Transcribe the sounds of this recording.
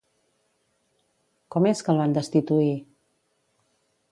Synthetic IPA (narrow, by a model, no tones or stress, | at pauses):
kɔmeskəlˠβand̪əst̪it̪ui